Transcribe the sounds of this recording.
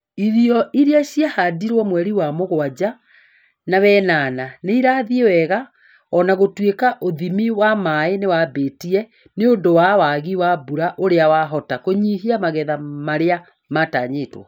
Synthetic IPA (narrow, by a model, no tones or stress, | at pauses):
iɾiɔʔiɾiaɕjahadiɾwɔmwɛɾiwamoɣwad͡ʑa | nawɛːnananeiɾaːðiewɛɣa | ɔnaɣotwekaʔoðimiwamaenewabeːtiɛ | neondowawaɣiwabuɾaʔoɾeawaɦɔtakoɲiɦiamaɣɛðamaɾea | mataːɲeːtwɔ̰